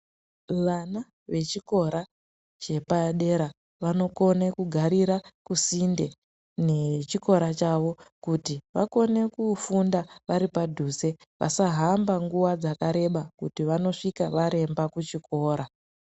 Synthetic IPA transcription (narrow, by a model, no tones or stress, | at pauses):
ʋana | ʋe̞t͡ʃiko̞ɾa | t͡ʃe̞paɗe̞ɾa | ʋano̞ko̞ne̞kuɡʱaɾiɾakusinde̞ | ne̞t͡ʃiko̞ɾat͡ʃaʋo̞kutiʋa̰ko̞ne̞kufundaʋaɾipadʱuse̞ | ʋʔa̰saɦambaŋɡuʋad͡zakaɾe̞ɓakutiʋano̞ʂikaʋaɾe̞mbakut͡ʃikʰo̞ːɾa